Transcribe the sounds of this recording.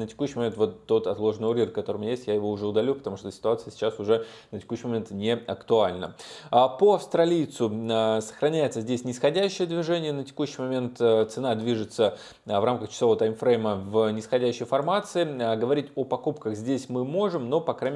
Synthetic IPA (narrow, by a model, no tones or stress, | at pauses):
nətʲɪkuɕːɪjmɐmʲet̪vo̞t̪ːo̞t̪ɐt̪lˠo̞ʐənɨʊɾʲirkːɐt̪o̞ɾəmʊjesʲtʲjajɪvo̞ʊʐɛʊd̪ɐlʲupət̪ɐmuʂt̪osʲɪ̥t̪ʊat̪sɨjəsʲɪ̥t͡ɕːasʊʐɛ | nətʲɪ̥kuɕːɪjmɐmʲe̞nt̪nʲɪɐkt̪ʊalʲnə̰əpoɐfst̪ɾɐlʲijt̪sʊsə̥xɾɐnʲæjɪt̪səzʲdʲesʲnʲɪsxɐdʲæɕːɪjəd̪vʲɪʐɛnʲɪjənətʲɪ̥kuɕːɪjmɐmʲe̞nt̪t̪sɨnad̪vʲiʐɨt̪sə | vramkəxt͡ɕɪ̥sˠovət̪ajmfɾejməvnʲɪsxɐdʲæɕːɪjfɐrmat̪sɨɪɡəvɐɾʲitʲo̞pɐkupkəxzʲdʲesʲmɨmo̞ʐɨmno̞pɐkɾa